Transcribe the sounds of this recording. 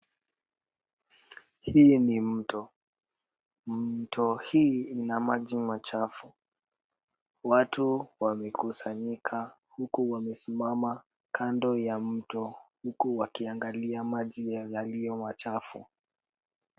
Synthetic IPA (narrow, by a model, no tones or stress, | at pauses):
hiːnim̩tɔ | m̩tʰɔhiːinamaʄimat͡ʃafu | watuwamɛkusaɲikʰa | hukuwamɛsimama | kʰandɔjam̩tɔhukuwakiaŋɡaliamaʄijjalijɔmat͡ʃafṵ